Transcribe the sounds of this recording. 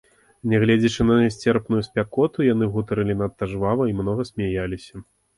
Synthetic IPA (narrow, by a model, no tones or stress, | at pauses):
nʲɛɣlʲɛd͡zʲɐt͡ʂɨnɐsʲt͡sʲɛrpnujusʲpʲakɔt̪ujanɨɣut̪ɐɾɨlʲinɐt̪ːaʐvavɐimnɔɣɐsʲmʲajalʲisʲɐ̥